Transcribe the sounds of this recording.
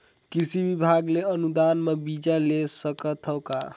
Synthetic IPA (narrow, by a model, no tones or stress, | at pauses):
kisibibʱaɡleənud̪anmebid͡ʒalesəkət̪ʰəwka̰